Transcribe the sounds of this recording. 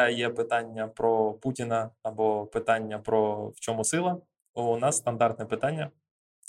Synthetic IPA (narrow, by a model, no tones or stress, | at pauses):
jɛpɪt̪ɑnʲːɐpɾɔputʲɪnɐːbɔpɪt̪ɑnʲːɐpɾɔwt͡ʃɔmʊsɪlˠɐ | ɔʊnɑsːt̪ɐnd̪ɑrt̪nɛpɪt̪ɑnʲːɐ